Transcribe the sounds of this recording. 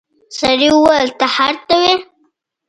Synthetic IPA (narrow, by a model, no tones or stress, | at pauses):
saɾiwəlt̪ahaɾt̪awe